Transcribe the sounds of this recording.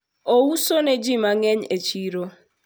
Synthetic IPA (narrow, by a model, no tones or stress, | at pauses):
ousoned͡ʒimaŋɛɲet͡ʃiɾo